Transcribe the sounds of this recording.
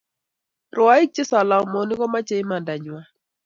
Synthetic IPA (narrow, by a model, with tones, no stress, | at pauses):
rʔʊ˨a˦ɪ˦k̚t͡ʃɪ˦sa˨la˨mo˨nɪ˦kɔ˦ma˦t͡ʃe˨ɪ˦ma˨nda˨ɲwa˨